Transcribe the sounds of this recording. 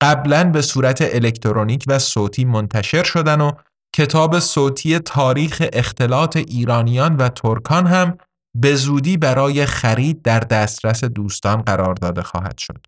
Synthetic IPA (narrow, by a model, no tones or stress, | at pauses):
ɢ̥æblænbe̞suːɾæt̪ʰeʔele̞cʰt̪ʰoɾoniːcʰvæsoːt̪ʰiːmont̪ʰæʃe̞ɾʃo̞d̪æno | cʰe̞t̪ʰɒːbe̞soːt̪ʰiːje̞t̪ʰɒːɾiːxe̞ʔext̪ʰe̞lɒːt̪ʰe̞ʔiːɾɒːnijɒːnvæt̪ʰoɾkʰɒːnɦæm | be̞zuːd̪iːbæɾɒːje̞xæɾiːd̪̚ːæɾd̪æːst̪ɾæse̞d̪uːst̪ɒːnɢæɾɒːɾd̪ɒːd̪e̞xɒ̰ːhæ̰d̪̥ʃo̞d̪̥